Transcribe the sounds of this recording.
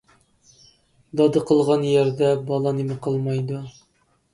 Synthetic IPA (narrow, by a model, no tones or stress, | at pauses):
d̪ɑd̪ɤqəlˠʁɑnjɛɾd̪ɛbɑlˠɑnimɪqʰəlˠmɑjd̪u